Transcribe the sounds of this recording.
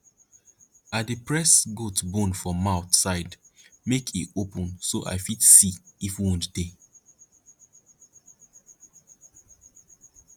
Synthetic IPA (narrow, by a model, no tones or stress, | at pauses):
adipɹɛsɡotbɔ̃nfɹɔ̃mːaʊθsaɪdmekʰitopʰɔ̃nsoʔa̰ɪfidsiifwɔ̃ntd̥e